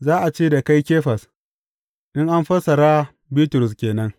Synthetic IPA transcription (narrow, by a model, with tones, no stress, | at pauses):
zaː˦ʔa˨t͡ʃeː˦da˨ka˦jkʲeː˦ɸɐ˨s | ʔɪ˦ŋʔa˦mɸɐ˦sɐ˨ɾaː˦ | biː˦tʊ˨ɾʊ˨s̬kʲeː˨nɐ˦ŋ